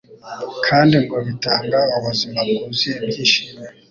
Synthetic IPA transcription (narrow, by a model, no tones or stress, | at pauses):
kʰaːndiŋɡoβitaːŋɡaaβazumamɡuziebjiːʃime